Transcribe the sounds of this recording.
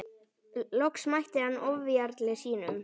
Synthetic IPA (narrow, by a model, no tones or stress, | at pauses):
lɔksmajht̪ɪhanːɔvjaɾt̪lɪsiːnʏm